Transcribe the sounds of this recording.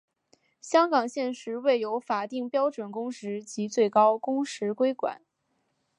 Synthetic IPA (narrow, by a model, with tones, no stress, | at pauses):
ɕjɑ˥ŋkɑ˨˩ŋɕjɛ˥˩nʂɻ̩˧˥we˥˩ɪjo˧˥ʊfa˨˩t̪i˥˩ŋpjɑ˥ʊʈ͡ʂwə˨˩nkʊ˥ŋʂɻ̩˧˥t͡ɕi˧˥t͡swe˥˩ɪkɑ˥ʊkʊ˥ŋʂɻ̩˧˥kwe˥ɪkwa̰˨˩˦n